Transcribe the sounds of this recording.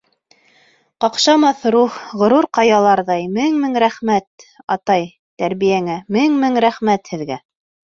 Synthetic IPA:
qɑqʃɑmɑθɾuχʁŏɾuɾqɑjɑlˠɑɾðɑjmɘŋmɘŋɾæχmæt̪ɑ̰t̪ɑj | t̪æɾβijæŋæmɘŋmɘŋɾæχmæt̪hɘ̆ðɡæ

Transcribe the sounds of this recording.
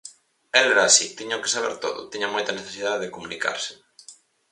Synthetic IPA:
ɛlɛɾaːsit̪iɲoke̥saβ̞ɛ̰ɾt̪o̰ðʊ̰t̪iɲɐmojt̪ɐneθesið̞aðeðekomunika̰ɾsɪ̥

